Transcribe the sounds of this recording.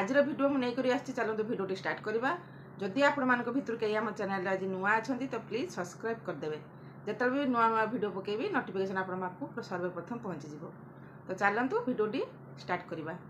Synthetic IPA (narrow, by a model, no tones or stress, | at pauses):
ad͡ʒiɾɔbʱiɖiomũnejkɔɾiast͡ʃʰit͡ʃalɔnt̪ubʱiɖioʈisʈaɾʈkɔɾiba | d͡ʒɔd̪iapɔɽ̃ɔmanɔ̃ŋkɔbʱit̪ɔɾukeɦiamɔt͡ʃenajlːad͡ʒinuaːt͡ʃʰɔnt̪it̪ɔplisɔbskɾajb̚kɔɾd̪ebe | d͡ʒet̪abinuanuabʱiɖiopɔkejbinɔʈipʰikesʰɔnapɔɽ̃ɔmakupɾɔsɔɾbeɾpɾɔt̪ʰɔmpɔɦɔnt͡ʃid͡ʒibɔ | t̪ɔt͡ʃalːɔnt̪ubʱiɖioʈi | sʈaɾʈkɔɾiba